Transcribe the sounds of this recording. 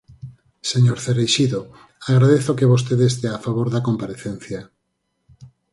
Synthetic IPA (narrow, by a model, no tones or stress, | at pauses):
seɲoɾθerejʃiðo | aɣɾaðeθokeβos̬t̪eðest̪eafaβoɾðakompaɾeθen̟θja